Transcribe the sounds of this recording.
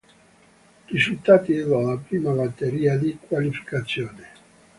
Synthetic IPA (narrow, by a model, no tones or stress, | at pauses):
rizult̪aːt̪iɛvalapɾiːmabat̪ːeɾiːad̪ikwalifi̥kat̪sːjoːne